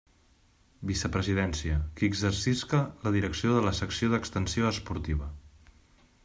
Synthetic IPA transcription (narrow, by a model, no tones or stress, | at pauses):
bisəpɾəziðɛnsiəkəːɡzərsiskələðiɾəksioðələsəksioðəkst̪ənsioəspuɾt̪iβ̞ə